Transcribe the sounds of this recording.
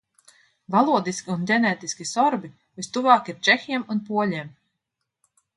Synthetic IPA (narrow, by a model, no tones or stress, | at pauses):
valˠuɔd̪iskʲiundʲɛnɛːt̪iskʲisɔɾbi | vist̪uvɑːkiɾt͡ʃɛxʲiɛmunpuɔlʲim